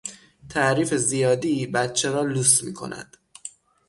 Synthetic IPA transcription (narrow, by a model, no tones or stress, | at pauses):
t̪ʰæʔɾiːfe̞zijɒːd̪ibæt̪t͡ʃʰeɾɒːluːsmḭːkʰo̞̰næ̰d̪̥